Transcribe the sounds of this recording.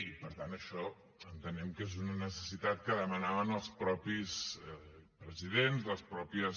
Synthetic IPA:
pəɾt̪anəʃɔ | ənt̪ənɛmkezunənəsəsit̪at̪̚kəðəmənaβənəlˠspɾɔpis | pɾəziðenzðəspɾɔpiə

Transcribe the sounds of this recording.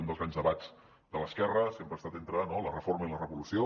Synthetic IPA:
und̪əlˠɣɾanzðəβaz | d̪ələskɛrəsempɾəst̪at̪ent̪ɾənolərəforməilərəβulusio

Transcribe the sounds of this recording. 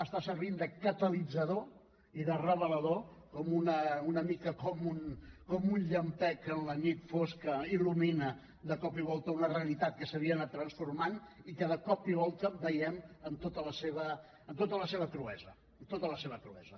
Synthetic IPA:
əst̪asəɾβind̪əkət̪əlid͡zəðo | iðərəβələðokɔmunəunəmikəkɔmunkɔmunʎəmpɛkənlənit̪foskəiluminə | d̪əkɔpiβɔlˠt̪əunəreəlit̪at̪̚kəsəβ̞iənat̪ːɾənsfurmanikəðəkɔpiβɔlˠt̪əbəjɛmənt̪ot̪ələseβəː | nt̪ot̪ələseβ̞əkɾuɛzə | ənt̪ot̪ələseβəkɾuɛ̰zə

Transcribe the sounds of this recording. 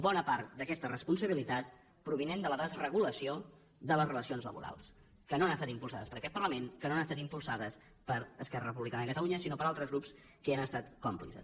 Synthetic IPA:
bɔnəpaɾt̪̚d̪əkɛst̪ərəspunsəβilit̪at̪̚ | pɾuβ̞inend̪ələðəzrəɣ̞uləsio | d̪ələzrələsionzlə̰βṵɾa̰lˠs | kənoanəst̪at̪impulˠsaðəspəɾəkɛt̪̚pərləmenkənoanəst̪at̪impulˠsaðəs | pəɾəskɛrə̰rəpuβlikanəikət̪əluɲəsinopəɾalˠt̪ɾəzɣɾups | kəanəst̪at̪kɔmplḭsə̰s

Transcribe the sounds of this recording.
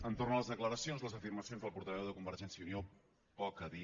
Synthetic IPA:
ənt̪ornələzðəkləɾəsionzləzəfirməsionzðəlˠpuɾt̪əβɛwðəkumbəɾʒɛnsiəunio | pɔkəði

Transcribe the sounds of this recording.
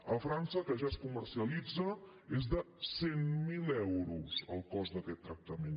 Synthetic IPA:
əfɾansəkəʒaskumərsiəlid͡zə | ezðə | semːilɛwɾuzə̰lˠkɔzðəkɛt̪ːɾək̚t̪əmen

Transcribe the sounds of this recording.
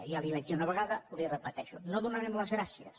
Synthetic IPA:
ialiβat̪iunaβeɣaðɐlirepɐt̪ɛʃʊnoðunaɾemlɐzɣɾasjɐ̰s

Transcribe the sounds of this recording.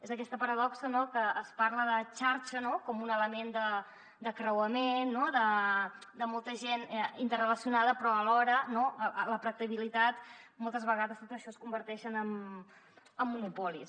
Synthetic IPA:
ezəkɛst̪əpəɾəðɔksənokəːspaɾləðət͡ʃaɾt͡ʃənokɔmunələmend̪ə | d̪əkɾəwəmenːoðəd̪əmɔlˠt̪əʒenint̪ərrələsiunaðəpɾɔəlɔɾənoəələpɾək̚t̪əβilit̪at̪mɔlˠt̪əzβəɣaðəst̪ot̪əʃɔəskumbəɾt̪ɛʃənəm | əmːunupɔlis

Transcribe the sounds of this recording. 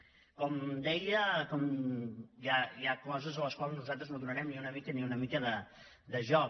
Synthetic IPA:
kɔmd̪ɛjəkɔm | jajakɔzəzələskwalˠznuzat̪ɾəznoðunəɾɛmniunəmikəniunəmikəðə | d̪əʒɔ

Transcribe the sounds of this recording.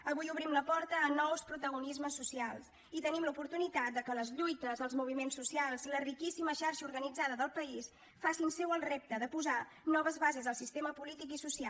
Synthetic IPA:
əβujuβɾimləpɔɾt̪əːnɔwspɾut̪əɣ̞unizməsːusialˠs | it̪ənimlupuɾt̪unit̪at̪̚d̪əkələzʎujt̪əzəlˠzmuβ̞imensːusialˠzlərikisiməʃaɾʃəuɾɣənid͡zaðəðəlˠpəis | fasinsɛwəlˠrep̚t̪əðəpuza | nɔβ̞əzβazezðəlˠsist̪eməpulit̪ikisusia

